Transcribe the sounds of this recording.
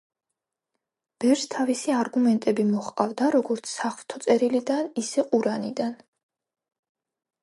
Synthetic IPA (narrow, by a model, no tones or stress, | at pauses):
b̥ɛvɾst̪ʰavisiaɾɡumɛnt̪ʼɛbimɔχqʼavd̪aɾɔɡɔɾt̪sʰsaχlt̪ʰɔt̪sʼɛɾilid̪anisɛqʼuɾanḭd̪an